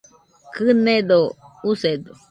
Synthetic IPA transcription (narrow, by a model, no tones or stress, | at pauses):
kɨnẽd̪oused̪o